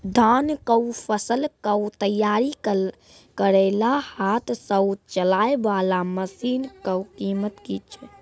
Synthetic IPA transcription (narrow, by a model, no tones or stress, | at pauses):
d̪ʱankəwpʰəsəlkəwt̪əjaɾi | kəɾəlahat̪ʰsəbt͡ʃəlaebalaməsinkəwkimət̪kit͡ʃʰ